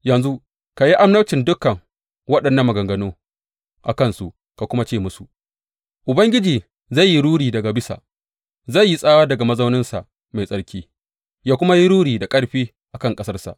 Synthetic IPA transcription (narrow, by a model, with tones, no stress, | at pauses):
jɐ˨nzu˦ | ka˨ji˦ʔa˦mnɐ˦t͡ʃɪ˨ndʊ˦kːɐ˨ŋ | wɐ˦ɗɐ˨nːɐ˨mːɐ˨ɡɐ˨ŋɡɐ˦noː˦ | ʔa˨kɐ˦nsu˨ | ka˨kʷʊ˦ma˦t͡ʃeː˦˨mʊ˦su˨ʔ | ʔʊ˨bɐ˦ŋɡʲɪ˦d͡ʒiː˨ | za˦˨ji˦ɽuː˦ɽiː˨dɐ˨ɡa˨bɪ˦sa̰˨ʔ | za˦˨jːi˦sʼaː˦waː˦dɐ˨ɡa˨mɐ˦za˦wnɪ˦nsa̰˨ʔ | ma˨jsʼɐ˦ɽkʲʰiː˦ | jaː˦kʷʊ˦ma˦ji˦ɽuː˦ɽiː˨da˨kʼɐ˦ɽɸiː˦ | ʔa˨kɐ˦ŋkʼɐ˦sɐ˦rsa̰˨ʔ